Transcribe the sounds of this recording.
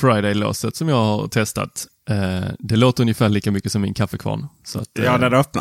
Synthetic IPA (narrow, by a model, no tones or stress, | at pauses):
fɾaɪd̪ɛɪlo̰ːsət̪sɔmjɑːɡha̰ɾt̪ʰɛst̪a̰t̪ | d̪ɛloːt̪əɾɵnjəfæːɭiːkamʏkːəsɔmːɪnkʰafəkʰvɑ̰ːɳsɔa̰t̪ːjnɛd̪œp̚na